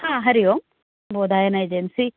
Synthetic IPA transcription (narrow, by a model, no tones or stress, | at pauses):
hãːɦɐɾijo | boːd̪aːjɐnajd͡ʒensi